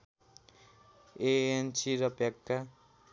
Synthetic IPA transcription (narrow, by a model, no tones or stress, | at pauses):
eent͡ʃiɾʌpjakːa